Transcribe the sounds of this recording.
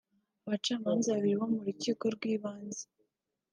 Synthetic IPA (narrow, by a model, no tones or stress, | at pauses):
aβat͡ʃaːmaːnzaβaβiɾiβwomuɾuciːko̞ɾɡwiːβaːnze̥